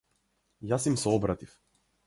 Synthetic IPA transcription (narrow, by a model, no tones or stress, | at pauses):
jasimsɛɔbɾat̪if